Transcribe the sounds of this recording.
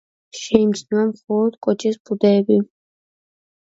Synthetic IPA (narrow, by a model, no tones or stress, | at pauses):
ʃɛimt͡ʃʰnuamχɔlˠɔd̪kʼɔt͡ʃʰispʰud̪ɛːbi